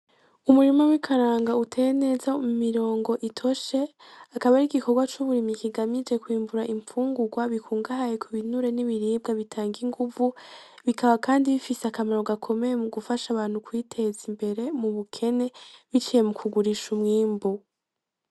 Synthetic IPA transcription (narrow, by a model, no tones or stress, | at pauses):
umuɾimawikʰaɾaːŋɡautʰe̞ne̞zamumiɾo̞ːŋɡo̞ʔitʰo̞ʃe̞ | akaβaɾiɡikʰo̞ɡwat͡ʃuβuɾimikiɡamid͡ʒe̞kwiːmbuɾaʔiɱfuːŋɡuɡwaβikʰuːŋɡahajekʰuβinuɾe̞niβiɾiːb̚ɡaβitʰaːŋɡiŋɡuvuβikʰaβakaːndiβifiseakamaɾo̞ɡakʰo̞me̞jemuɡufaʃaβaːn̥hukwiːtʰe̞zimbe̞ɾe̞muβukʰe̞ne̞βit͡ʃije̞mukʰuɡuɾiʃumŋiːmbu